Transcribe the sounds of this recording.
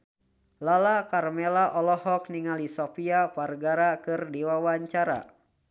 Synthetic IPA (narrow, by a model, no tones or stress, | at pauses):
lalakarmelaʔɔlɔhɔk̚niŋalisɔpiaparɡaɾakɨrdiwawaɲt͡ʃaɾa̰